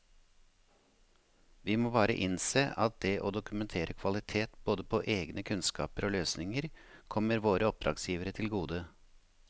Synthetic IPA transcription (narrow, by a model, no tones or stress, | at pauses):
ʋiːmoːbɑːɾə̰ʔɪnseːʔɑt̪̚d̪ɛʔoːd̪ʊkʉmɛnt̪ʰeːɾʔəkʰʋɑlɪt̪ʰeːt̪boːd̪əpʰoːʔeːɡnəkʰʉnskɑ̰ːpəɾoːløːsnɪŋəɾkʰɔməɾʋoːɾəɔp̚d̪ɾɑ̰ːɡsjiːʋəɾət̪ʰɪlɡuːd̪ə